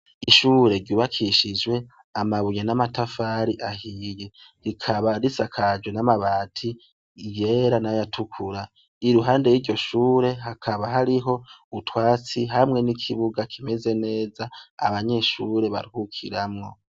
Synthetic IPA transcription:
iʃuːɾe̞ɾɟuːβakʰiʃid͡ʒwe̞ | amaβuɲenamatafaɾiʔahije | ɾikʰaβaɾisakʰad͡ʒwe̞namaβaːtʰi | βje̞ɾanajatʰukʰuɾa | iɾuɦaːnde̞jiɾɟo̞ʃuːɾe̞ɦakʰaβaɦaɾiɦo̞utwaːt͡siɦamŋe̞nikʰiβuɡakʰime̞ze̞ne̞ːzaa̰βaɲe̞ʃuːɾe̞βa̰ɾihukʰḭɾamŋo̞

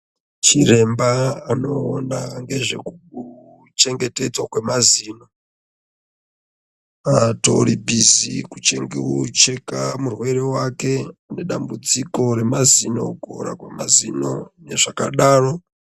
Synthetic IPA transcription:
t͡ʃire̞mbaano̞ːnaŋɡe̞ʐe̞̰kuu | t͡ʃe̞ŋɡe̞te̞d͡zwakwe̞maziːno̞ | ato̞̰ɾibʱizikut͡ʃe̞ŋɡiwut͡ʃe̞kamurwe̞ɾe̞wake̞ane̞ɗambut͡siko̞ɾe̞mazino̞̰ɡʱo̰ɾa̰kwemazino̞ne̞ʐakaɗaːro̞

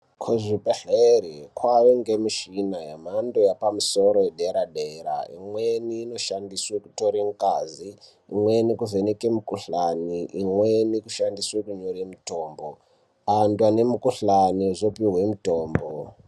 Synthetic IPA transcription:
kʰuʐibeɬeɾikʰwaʋeŋɡemiʃinajam̤andojapamuso̞ɾojeɗeɾaɗeɾa̰ḭmweniːno̞ʃandisweku̥to̞ɾim̩kaziː | mwe̞nikuvenekemukuɬaniʔimwenikuʃandiswekuɲoɾimitoːmbo | andwane̞mukuɬaniʐopiɦwemutoːmbo

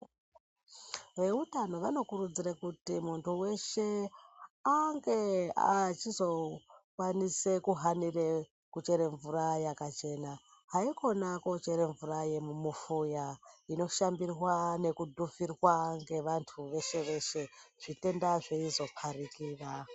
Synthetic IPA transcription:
ʋe̞utano̞ʋano̞kuɾud͡ziɾakutimuntʰuwe̞ʃe̞ | aŋɡe̞at͡ʃizo̞kwanise̞kuɦanire | kut͡ʃe̞ɾe̞ɱvuɾajakat͡ʃe̞na | ɦaiko̞nako̞t͡ʃeɾe̞ɱvuraje̞mumufujaino̞ʃambirwane̞kudʱufirwaŋɡe̞ʋantʰuʋe̞ʃe̞ʋe̞ʃe̞ʐ̥ite̞ndaʐeizo̞pʰarikiːra

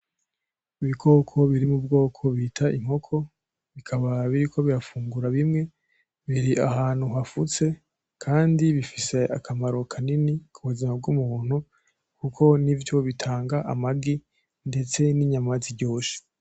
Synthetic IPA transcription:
iβiɡo̞ːkʰo̞βiɾimub̚ɡo̞ːkʰo̞βitʰaʔim̥ho̞kʰo̞ | βikʰaβaβiɾiko̞βiɾafuːŋɡuɾaβimŋe̞ | βiɾiʔa̰haːn̥huɦafut͡se̞ | kʰaːndiβifise̞ʔakʰamaɾo̞kʰaninikʰuβuzimab̚ɡumuːn̥u | kukʰo̞nivjo̞βitʰaːŋɡaʔamaɡi | nde̞t͡se̞niɲamaziɟo̞ːʃe̥

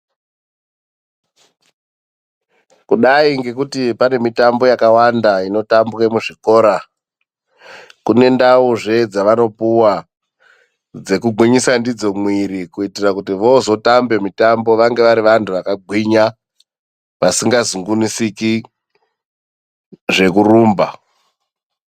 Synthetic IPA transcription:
kuɗaiŋɡe̞k̬utipane̞mitambo̞jakawandaino̞tambwe̞muʐiko̞ːɾa | kune̞ndauʐe̞d͡zaʋano̞puwa | d͡ze̞kuɡʱwiɲisandid͡zo̞mwiɾikuitirakutiʋozo̞tambe̞mitambo̞ʋaŋɡe̞ʋaɾiʋantʰuʋakaɡʱwiɲa | ʋasiŋɡazuŋɡunisiki | ʐe̞kuruːmba

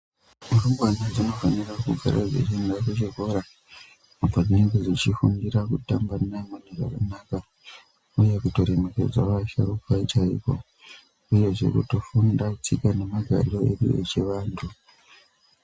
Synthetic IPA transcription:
murumɡwanad͡zino̞fanirakuɡʱa̰ɾa̰ʐḛt͡ʃendakut͡ʃiko̞ɾa | apaʐine̞ŋɡed͡zit͡ʃifundiɾakutambanamaniʐa̰kanaka | uje̞kuto̞ɾeme̞ke̞̰d͡zaʋaʃaɾukwait͡ʃaḭko̞̰ | uje̞ʐe̞̰kuto̞fundat͡sikane̞maɡʱa̰lo̞ḛdṵḛt͡ʃe̞ʋaːntʰu

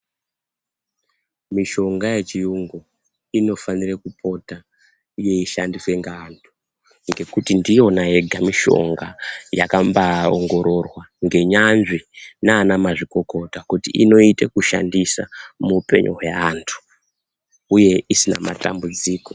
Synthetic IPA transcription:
miʃo̞ŋɡaje̞t͡ʃijuŋɡo | ino̞fanirekupʰo̞ta | je̞iʃa̰ndiswe̞ŋɡaːntʰu̥ | ŋɡe̞kutindijo̞nae̞ɡʱamiʃo̞̰ŋɡajakambao̰ŋɡo̞ɾʔo̞rwa | ŋɡe̞ɲanʐinaːnamaʐiko̞ko̞takutiʔḭno̞itekuʃa̰ndisa̰muːpe̞̰ɲʔoɦaaːntʰu̥ | uje̞isina̰ma̰ta̰mbud͡ziːko̞

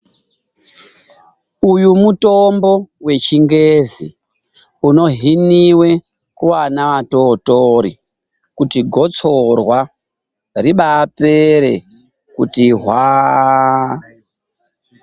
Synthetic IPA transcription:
ujumutombo̞we̞t͡ʃiŋɡezḭ | uno̞ɦiniwe̞ | kuwanaʋato̞ːtoɾḭ | kutiɡʱo̞t͡so̞rwa | riɓapeɾe̞̰ | kutiɦwaː

